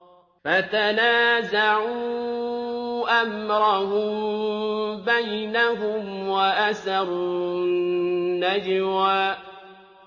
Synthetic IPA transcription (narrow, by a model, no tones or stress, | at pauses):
fat̪anaːzaʕuuː | ʔamɾaɦʊmm | bajnaɦʊmwaʔasɑɾˤunnːad͡ʒɾaː